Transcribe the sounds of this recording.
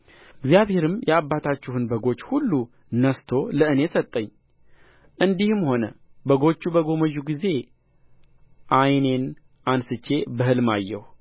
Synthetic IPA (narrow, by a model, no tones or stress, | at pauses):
ʔɨɡzjaβhe̞ɾɨmjʔɛabːat̪ʰat͡ʃːuhɨnbəɡo̞t͡ʃːhulːu | nəst̪ʰo̞ləɨne̞sət̪ʼːəɲː | ʔɨnd̪ihɨmho̞nə̰bəɡo̞t͡ʃːubəɡo̞məʒːuɡize̞ | ʔajne̞n | ʔansɨt͡ʃːe̞bəhɨlma̰jːɛ̰h